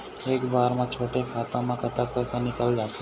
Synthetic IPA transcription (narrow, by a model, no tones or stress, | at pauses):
eːkbaːɾmãt͡ʃʰoːʈekʰaːt̪õmãkət̪apɛːsanɪkəld͡ʒaːt̪e